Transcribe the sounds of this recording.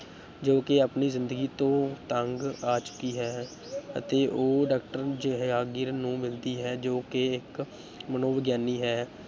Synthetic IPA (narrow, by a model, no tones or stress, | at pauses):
d͡ʒoːkeːaːpniːzɪnd̪əɡiːt̪õːt̪əŋɡaːt͡ʃʊ̥kiːɦɛː | ə̰t̪eːʔoːɖaːk̚ʈəɾd͡ʒɦaːɡɪɾnũːmɪld̪iːɦɛːd͡ʒoːkeɪk | mənoːʋəɡjaːniːɦɛː